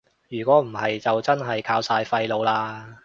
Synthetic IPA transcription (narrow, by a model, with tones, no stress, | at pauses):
jyː˨˩kʷɔː˨˥m̩˨˩hɐ˨jt͡sɐ˨wt͡sɐ˥nɦɐ˨jkʰaː˨˥wsaː˧jfɐ˧jlo˨˧wlaː˧